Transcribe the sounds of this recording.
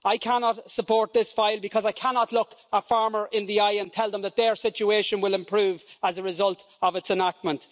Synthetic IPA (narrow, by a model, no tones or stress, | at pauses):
aɪkʰanɑtsəpʰɔːɹt̪̚ðɪsfaɪlˠbɪkʰɒzaɪkʰanɑtˡlʊkəfaɹmə˞ʔɪ̃nðiaɪə̃ntʰɛlˠðə̃mðət̪̚ðə˞sɪt͡ʃueɪʃə̃nwɪlɪ̃mpʰɹ̥uːvəzəɹɪzʌlˠt | əvɨtsənak̚t̚mə̃nt